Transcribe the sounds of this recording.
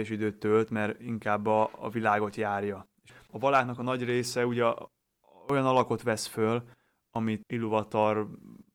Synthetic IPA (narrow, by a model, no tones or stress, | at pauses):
ɛʃid̪øːt̪ːølt̪mɛɾiŋkaːbːɒ̰ːvilaːɡo̞t̪jaːrjɒeʃɒvɒlaːknɒkɒnɒɟreːsɛuɟɛ | o̞jɒnɒlɒko̞t̪ʋɛsføl | ɒmit̪ilːovɒt̪or